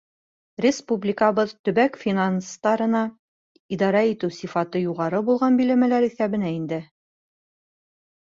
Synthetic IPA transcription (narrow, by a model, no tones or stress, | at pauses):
rʲɪspublʲɪkɑβɤðt̪ɵ̆bækfʲinanst̪ɑɾɤ̆nɑ | id̪ɑɾɑit̪ɘwsifɑt̪ɤjuʁɑɾɤbulˠʁɑnbilæmælæɾiθæβɘ̆næind̪ɘ